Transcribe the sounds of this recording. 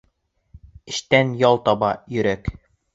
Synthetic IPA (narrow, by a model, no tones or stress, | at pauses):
ɘ̆ʃt̪ænjɑlˠt̪ɑbɑjɵ̆ɾæk